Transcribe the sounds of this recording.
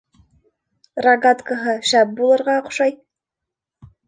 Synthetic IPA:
rɐɡat̪kəɦɤʃæp̚bulˠɤ̆ɾʁɑoqʃɑj

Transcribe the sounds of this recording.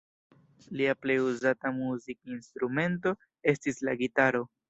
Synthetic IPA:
liaple̞juzatamuzikinst̪ɾume̞nt̬o̞ | e̞stislaɡitaɾo̞

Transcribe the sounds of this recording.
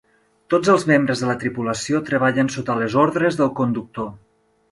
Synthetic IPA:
t̪od͡zəlˠzmembɾəzðələt̪ɾipuləsiot̪ɾəβaʎənsot̪ələzoɾðɾəzðəlˠkund̪uk̚t̪o

